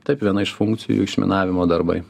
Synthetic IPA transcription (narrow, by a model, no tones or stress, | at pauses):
t̪ɐɪpʋʲiɛnɐɪʃfʊŋkt̪sʲɪjṵɪkʃʲmʲɪ̰nɑːʋʲɪmoːd̪ɐɾbɐ̰ɪ